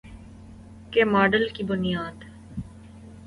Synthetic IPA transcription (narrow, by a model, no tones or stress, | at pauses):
kemaːɖəlkibʊnijaːd̪